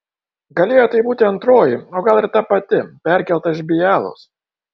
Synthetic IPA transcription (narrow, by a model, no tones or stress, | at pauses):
ɡɐlʲeːjoːt̪ɐɪbuːt̪ʲɪɐnt̪ɾoːjɪoːɡɐlˠɪɾt̪ɐpɐt̪ʲɪpʲæˑɾʲkʲɛlˠt̪ɐzʲbʲɪjæːlˠo̰ːs